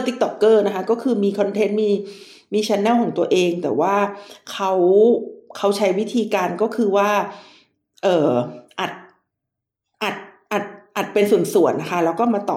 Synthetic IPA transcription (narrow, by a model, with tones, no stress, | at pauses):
t̪i˦˥k̚t̪ɔ˨˩kːɤː˥˩na˦˥kʰa˦˥kɔː˥˩kʰɯː˧miː˧kʰɔ˧nt̪ʰe˦˥nmiː˧ | miː˧t͡ɕʰɛ˧˥nːɛː˥˩wkʰɔː˩˦ŋt̪u˧ɐʔeː˧ŋt̪ɛ̰ː˨˩waː˥˩kʰa˦˥w | kʰa˦˥wt͡ɕʰa˦˥jwi˦˥t̪ʰiː˧kaː˧nkɔː˥˩kʰɯː˧waː˥˩ | ʔɤː˨˩ʔa˨˩t̪̚ | ʔa˨˩t̪̚ | ʔa˨˩t̪̚ʔa˨˩t̪̚pe˧nsu˨˩ənsu˨˩˦ənːa˦˥kʰa˦˥lɛː˦˥wkɔː˥˩maː˧t̪ɔ̰ː˨˩